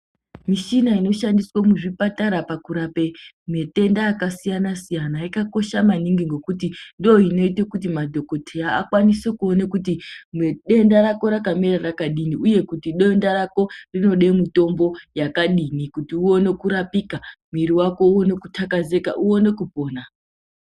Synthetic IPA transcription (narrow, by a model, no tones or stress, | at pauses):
miʃinaino̞ʃandiswamuʐipataɾapakuɾape | mete̞ndaːkasijanasijanaikako̞ʃamaniŋɡiŋɡo̞kutindoino̞itekut̬imadʱo̞ko̞tʰeaːkwanisekuo̞nekutimeɗe̞ndaɾako̞ɾakamirarakaɗiniuje̞kutiɗendaɾako̞rino̞ɗemito̞mbo̞jakaɗinikutiuo̞ne̞kuɾapikamiɾiwako̞uwone̞kutʰakaze̞kaʔuo̞ne̞kupo̞ːna